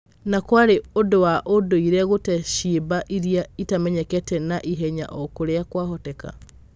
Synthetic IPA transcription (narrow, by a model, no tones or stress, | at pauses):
nakwaɾeodowaʔodoiɾɛɣotɛʃibaʔiɾiaitamɛɲɛkɛtɛnaʔiɦɛɲa̰ʔɔkoɾeakwaɦɔtɛka̰